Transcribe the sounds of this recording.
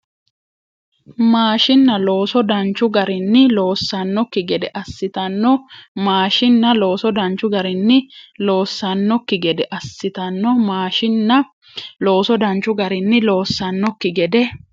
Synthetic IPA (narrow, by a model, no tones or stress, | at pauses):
maːʃɪnːɐlo̞ːsɔd̪ɐnt͡ʃːʊɡɐɾɪnːɪlo̞ːsːɐnːɔkːɪɡɛd̪ɛʔɐsːɪt̪ɐnːɔmaːʃɪnːɐlo̞ːsɔd̪ɐnt͡ʃːʊɡɐɾɪnːɪlo̞ːsːɐnːɔkːɪɡɛd̪ɛʔɐsːɪt̪ɐnːɔmaːʃɪnːɐ | lo̞ːsɔd̪ɐnt͡ʃːʊɡɐɾɪnːɪlo̞ːsːɐnːɔkːɪɡɛd̪ɛ